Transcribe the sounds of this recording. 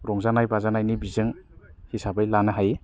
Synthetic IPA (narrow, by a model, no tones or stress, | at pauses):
ɾɔŋzanajbazanajnibizɯŋhisabajlanɯɦaj